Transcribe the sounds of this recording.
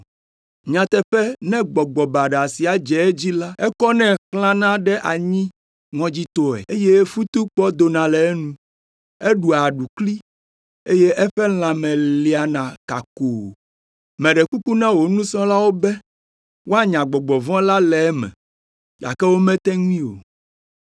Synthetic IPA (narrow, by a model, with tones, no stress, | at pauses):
ɲã˨t̪ɛ˦ɸɛ˦nɛ̃˦ɡ͡bɔ˨ɡ͡bɔ˨ba˨ɖa˨si˨a˨d͡ʒɛ˨ɛ˦d͡ʑi˦la˦ɛ˦kɔ˦nɛ̃˦xlã˦nã˦ɖɛ˦ʔa˨ɲĩ˦ | ŋɔ̃˦d͡ʑi˦t̪ɔ˦ɛ̰˨e˦je˦fu˦t̪u˦k͡pɔ˦d̪o˨nã˨lɛ˨ɛ˦nũ˦ | ɛ˦ɖu˨a˨ɖu˨kli˦ | e˦je˦ʔɛ˦ɸɛ˦l̃ã˨mɛ̃˨li˨a˨nã˨ka̰˨ko˨ | mɛ̃˨ɖɛ˨ku˦ku˦nã˦wo˨nũ˦sɔ̃˦la˦wo˦bɛ˦ | wʔo˦a˦ɲã˨ɡ͡bɔ˨ɡ͡bɔ˨vɔ̃˦la˦lɛ˨ɛ˦mɛ̰̃˨ | ɡa̰˨kɛ˦wo˦mɛ̃˦t̪ɛ˦ŋũ˦ĩ˦o˨